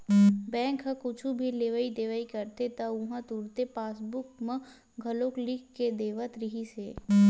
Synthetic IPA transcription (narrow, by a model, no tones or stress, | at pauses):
bɛ̃ːŋkɦəkʊt͡ʃʰubʱileːʋəid̪eːʋəikəɾt̪et̪ɐʊɦãt̪uːɾt̪epaːsbʊkmə̃ | ɡʱɐloklikːed̪eːʋət̪ɾɪɦiseː